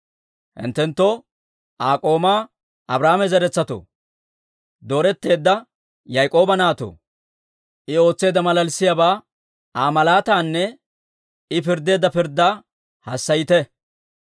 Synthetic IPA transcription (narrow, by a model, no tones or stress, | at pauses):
hɪ̰nt̪ːɛnt̪ːɔ | ʔaːkʼo̞ːmaː | ʔɐbɾaːmɛzɛɾɛt͡sːɐt̪o̰ | d̪o̞ːɾɛt̪ːe̞ːd̪ːɐ | jɐjkʼo̞ːbɐnaːt̪o̰ː | ʔɪo̞ːt͡sːe̞ːd̪ɐmɐlɐlsɪjabaː | aːmɐlaːt̪aːnːɛ | ɪpɪɾd̪ːe̞ːd̪ɐpɪɾd̪ːaː | hɐsːɐjɪt̪ɛ